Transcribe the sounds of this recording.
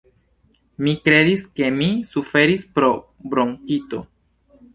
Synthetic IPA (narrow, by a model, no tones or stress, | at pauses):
mikɾe̞diske̞misufe̞ɾispɾo̞ | bɾoŋkito̞̰